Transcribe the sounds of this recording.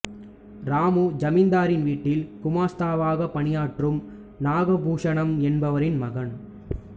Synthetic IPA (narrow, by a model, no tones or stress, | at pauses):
ɾaːmɯd͡ʒɐmɪnd̪aːɾɪnʋiːʈːɪlkʊmaːst̪aːʋaːɣɐpːɐɳɪjaːʈrɯm | naːɣɐbuːʂɐɳɐmɛnbɐʋɐɾɪnmɐɣɐn